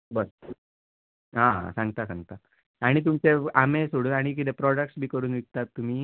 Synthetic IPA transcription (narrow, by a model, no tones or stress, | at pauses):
bəɾ | ɦãɦã̰sãŋɡt̪asãŋɡ̚t̪a | aɽ̃it̪̬umt͡seamesoɽuːnaɽ̃ik̬it̪epɾɔɽək̚ʈsbʱiːkəɾuːnʋik̚t̪at̪ːum̤iː